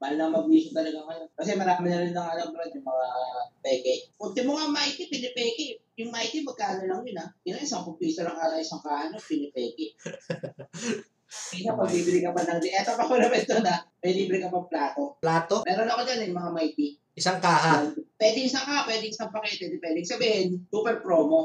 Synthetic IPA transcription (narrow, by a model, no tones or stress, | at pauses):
mɐalnɐmɐbiːsot̪ɐlɐɡaŋɐjo̞nkɐsɛmɐɾaːmɪnɐɾɪnːɐŋalɐwbɐɾɐnɐjmɐŋapɛɡɛkʊnt̪ɪmoŋamajt̪ipɪnɪpɛːkɪjʊŋmajt̪imɐɡ̚kaːlɐlɐŋjʊnɐɡɪnaʔɪsɐŋpʊpiːsonɐŋkaːt̪ɐʔɪsɐŋkaːhɐnopɪnɪpɛːkɪ | ɐɪnamɐɡ̚bibɪlɪkɐbɐnɐŋd̪ɪʔɛt̪opɐkonɐmɛnt̪onɐmɐliːbɾɪkɐmɐɡ̚plaːt̪oplaːt̪omɛːɾonɐkod͡ʒanɐjmɐŋamajt̪i | ʔɪsaŋkaːʔapwɛːd̪ɪŋʔɪsɐŋkaːhɐpwɛːd̪ɪŋʔɪsɐmpɐkɛt̪ɛd̪ɪpwɛːd̪ɪŋsɐbiːhɪnsuːpɛɾpɾoːmo